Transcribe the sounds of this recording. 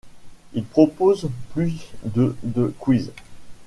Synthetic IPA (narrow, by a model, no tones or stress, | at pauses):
ilpχɔpozplyd̪əd̪əkwiz